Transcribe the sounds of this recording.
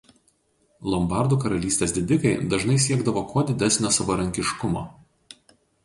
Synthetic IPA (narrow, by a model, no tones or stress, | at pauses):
lˠɔmbɑˑɾd̪uːkɐɾɐlʲiːsʲt̪ʲeːsd̪ʲɪd̪ʲɪkɐɪd̪ɐʒnɐɪsʲiɛɡd̪ɐʋoːkʰoːd̪ʲɪd̪ʲɛsʲnʲoːsɐʋɐɾɐŋʲkʲɪʃkʊmo̰